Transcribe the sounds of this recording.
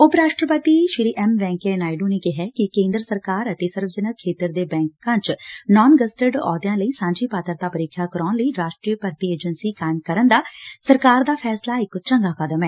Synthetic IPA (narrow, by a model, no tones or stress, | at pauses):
ʊpɾaːʃʈɾəpət̪iːʃɪɾiːʔɛmʋɛ̃ːŋkɛːnaːɪɖõːneːkɪɦɛːkɪkẽːnd̪ɾəsəɾkaːɾət̪eːsəɾʋzənəkʰːeːt̪əɾd̪eːbɛ̃ːŋkãːt͡ʃnɔːnɡəsʈəɖɔ̰ːd̪jãːləiːsãːɲd͡ʒiːpaːt̪əɾt̪aːpəɾɪkʰːaːkəɾaːnləiːɾaːʃʈɾiːpəɾt̪iːeːd͡ʒənsiːkaːɪmkəɾənd̪aːsəɾkaːɾd̪aːpʰɛːslaːɪkt͡ʃəŋɡaːkəd̪əmɛː